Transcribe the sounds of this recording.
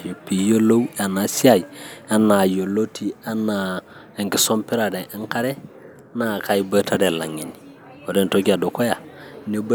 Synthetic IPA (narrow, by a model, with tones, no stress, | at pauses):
ju˨pi˨jo˦lo˦wa˨na˨si˦a˦˨ja˨na˨jo˨lo˦ti˨a˦na˨ | e˨ŋki˨so˦mpi˦ɾa˨de˨ʔi˦ŋka˦ɾe˦ | na˦˨ka˦jbə˦ta˦de˨la˨ŋi˨ni | o˨de˦nto˦ɡa˨do˨ko˦ja˨ne˦b